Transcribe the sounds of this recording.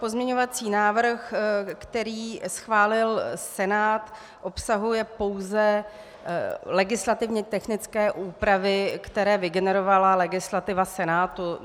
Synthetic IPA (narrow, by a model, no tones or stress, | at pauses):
po̞zmɲɛɲo̞vat͡siːnaːvr̩xkt̪ɛɾiːsxvaːlɪlsɛnaːt̪ | ʔo̞psaɦujɛpo̞wzɛ | lɛɡɪslat̪ɪvɲɛt̪ɛxnɪt͡skɛːʔuːpɾavɪkt̪ɛɾɛːvɪɡɛnɛɾovalalɛɡɪslat̪ɪvasɛnaːt̪u